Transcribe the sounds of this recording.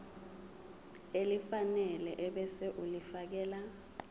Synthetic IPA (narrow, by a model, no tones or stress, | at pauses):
elifanɛlɛʔɛɓɛsɛʔulifak̬ɛːla